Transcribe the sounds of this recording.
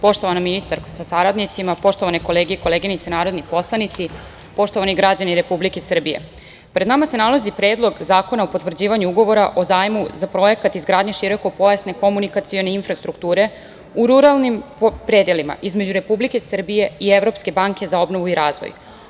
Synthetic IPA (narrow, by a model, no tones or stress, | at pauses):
po̞ʃt̪o̞ʋanaminist̪aɾkasasaɾad̪nit̪simapo̞ʃt̪oʋaneko̞le̞ːɡijeko̞leɡinit̪senaːɾod̪nipo̞slˠanit̪si | po̞ʃt̪o̞ʋaniɡɾad͡ʑaniɾe̞publike̞sr̩bijḛ | pɾed̪namase̞nalazipɾe̞ːd̪lˠo̞ɡzaːko̞naopot̪ʋr̩d͡ʑiːʋaɲuuɡo̞ʋo̞ɾaʔo̞zaːjmuzapɾo̞je̞kat̪izɡɾaːd̪ɲe̞ʃiɾo̞kopo̞jasne̞ko̞munikat̪sio̞neinfɾast̪ɾuk̚t̪uːɾe̞ | uɾuɾalˠnimpɾeːd̪jelima̰ʔizme̞d͡ʑuɾe̞publike̞sr̩bije̞ieʋɾo̞pske̞baŋke̞zao̞bno̞ʋuiɾaːzʋo̰ju